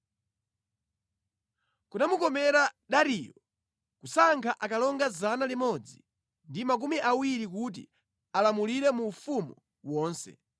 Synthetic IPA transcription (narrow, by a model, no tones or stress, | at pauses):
kunamukɔmɛɾaɗaɾijɔ | kusaŋkʰaʔakalɔŋɡazanalimɔd͡zi | ndimak̬umiʔawiɾik̬ut̬ḭ | alamuliɾɛmuːfumṵ | wɔːnsɛ̰